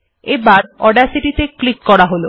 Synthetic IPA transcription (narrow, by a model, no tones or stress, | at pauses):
ebaɾɔɖaɾsiʈit̪eklikːɔɽaɦolo